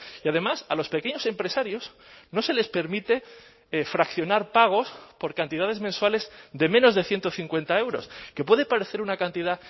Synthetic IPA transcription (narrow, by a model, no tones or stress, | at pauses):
iaðe̞masa̰lo̞spe̞ke̞ɲo̞se̞mpɾe̞saɾjo̞s | no̞se̞le̞spe̞ɾmit̪e̞ | fɾakθjo̞naɾpaɣ̞o̞spo̞ɾkant̪iðaðe̞zmenswale̞zd̪e̞mẽno̞zðeθjent̪oθiŋkwe̞nt̪ae̞wɾo̞̰ske̞pwe̞ðepaɾe̞θe̞ɾunakant̪iða